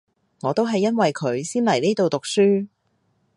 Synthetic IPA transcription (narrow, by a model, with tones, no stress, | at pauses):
ŋɔː˨˧t̪o˥wɦɐ˨jːɐ˥nwɐ˨jkʰɵ˨˧˥ɥsiː˥nlɐ˨˩jneː˥t̪o˨wt̪ʊ˨k̚syː˥